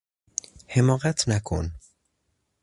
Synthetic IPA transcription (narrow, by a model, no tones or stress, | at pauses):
hemɒːɣæt̪ʰnækʰo̰n